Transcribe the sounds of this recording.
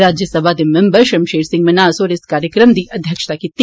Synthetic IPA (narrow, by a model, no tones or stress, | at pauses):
ɾaːd͡ʒjəsɐbʱad̪imembɐɾʃɐmʃeːɾsɪ̃ŋɡmɐnaːsoːɾɪskaːɾjəkɾəmd̪iːʔʔɐd̪ʱjəkʃə̥t̪akit̪